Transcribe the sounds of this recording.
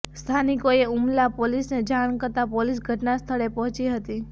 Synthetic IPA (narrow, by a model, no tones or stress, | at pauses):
st̪ʰanikoeumlapolisned͡ʒaɽ̃kəɾt̪apolisɡʱəʈnast̪ʰəɭepɔɦɔ̃t͡ʃiɦət̪i